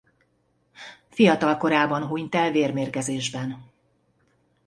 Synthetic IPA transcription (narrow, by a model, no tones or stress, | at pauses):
fijɒt̪ɒlko̞ɾaːbɒnɦuɲt̪ɛlveːrmeːrkɛzeːʒbɛn